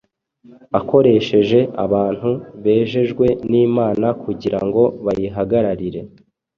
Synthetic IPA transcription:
ako̞ɾe̞ʃe̞ʒe̞ʔa̰βaːn̥huβe̞ːʒe̞ʒɡwe̞niːmaːnakuɟiɾaŋɡo̞βajiɦaɡaɾaɾiɾe̞

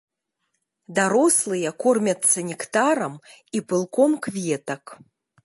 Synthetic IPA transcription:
d̪aɾoslˠɨjɐkormʲɐtt͡sːɐnʲikt̪aɾɐmipɨlˠkʰomkvʲjɛt̪ɐk

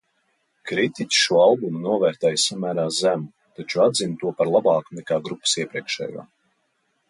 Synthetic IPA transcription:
kɾit̪ʲicʲi̥ʃuɔalˠbumunuɔvæːɾt̪ɛːjsamæːɾaːzæmu | t̪at͡ʃuad̪zint̪uɔpaɾlˠabɑːkunɛkaːɡɾupːə̥siɛpɾiɛkʃɛ̰ːja̰ː

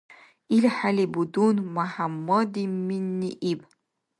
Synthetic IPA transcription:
ilħalibud̪unmaħamːɔd̪iminːiʔib

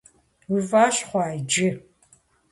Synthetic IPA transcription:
uvaːɕχʷɑːjd͡ʒɪ

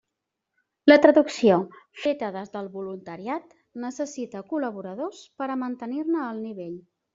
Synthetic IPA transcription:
lət̪ɾəðuksiofet̪əðəzðəlˠβulunt̪əɾiat̪ | nəsəsit̪əkuləβ̞uɾəðospəɾəmənt̪ənirnəːlˠniβ̞eʎ

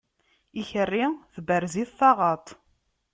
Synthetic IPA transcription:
içərːiθbəɾziθθɑʁɑt̪ˤ

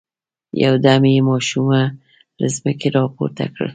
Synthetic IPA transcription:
jawd̪amemɑʃuma | ləzməkeɾɑpo̰ɾt̪a̰kɽə̰

